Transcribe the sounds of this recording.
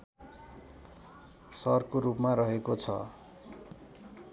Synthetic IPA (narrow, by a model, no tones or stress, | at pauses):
sʌrkoɾupmaɾʌɦekot͡sʰʌ̰